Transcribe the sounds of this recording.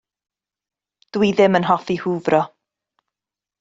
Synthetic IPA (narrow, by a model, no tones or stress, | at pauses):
d̥wiðɪmənɦɔfihuːbrɔ